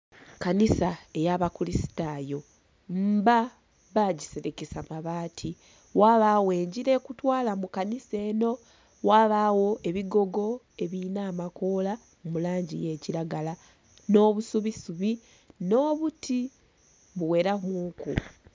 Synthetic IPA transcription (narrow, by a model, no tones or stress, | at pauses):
kanisae̞jaβakulisi̥taːjo̞ | mba | βaɟise̞ɾekesamaβaːtʰi | waːβaːwe̞ːɲɟiɾe̞ːkutwaːlamukanise̞ːno̞ | waːβaːwo̞ʔe̞βiɡo̞ɡo̞ | e̞βinaːmako̞ːla | momulaːɲɟḭje̞ːciɾaɡala | no̞ːβusuβisuβi | no̞ːβuti | βuwe̞ːɾamuːku